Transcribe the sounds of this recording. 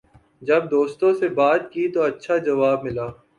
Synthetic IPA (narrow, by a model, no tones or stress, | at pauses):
d͡ʒɐb̚d̪oːst̪õsebaːt̪̚kit̪oɐtːʃʰad͡ʒɐʋaːb̚mɪlaː